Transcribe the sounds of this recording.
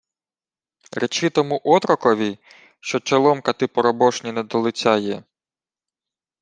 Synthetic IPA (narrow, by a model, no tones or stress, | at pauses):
ɾet͡ʃɪt̪ɔmuʔɔt̪ɾɔkɔʋʲi | ʃt͡ʃɔt͡ʃɐlˠɔmkɐt̪ɪpɔɾɔbɔʃnʲinɛd̪ɔlˠɪt͡sʲɑjɛ